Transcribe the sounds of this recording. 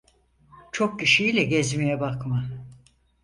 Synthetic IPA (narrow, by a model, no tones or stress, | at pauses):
t͡ʃʰo̞k̚ciʃiilʲɛɟɛzmijɛbakma